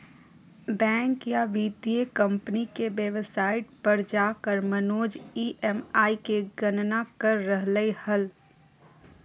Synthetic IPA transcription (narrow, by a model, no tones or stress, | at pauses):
bɛ̃ːŋkjaʋiːt̪iekə̃mpnikeʋeʋsaːɪʈ̚pɐɾd͡ʒaːkəɾmənoːd͡ʒiːʔɛmaːikeɡənnakəɾːəɦləehəl